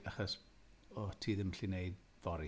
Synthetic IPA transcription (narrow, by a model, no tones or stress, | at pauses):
aχɔs | ɔtʰiːðɪmɬineɨd | v̥ɔɾi